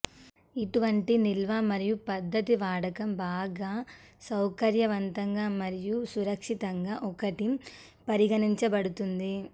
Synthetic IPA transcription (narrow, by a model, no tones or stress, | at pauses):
iʈuʋɐɳʈinilʋaːmɐɾijupɐd̪ʱːɐt̪iʋaːɽɐkɐmbaːɡaː | sɐwkɐɾjɐʋɐnt̪ɐŋɡaːmɐɾijusuɾɐkʂit̪ɐŋɡaːʔɔkɐʈi | pɐɾiɡɐniɲt͡ʃɐbɐɽut̪und̪i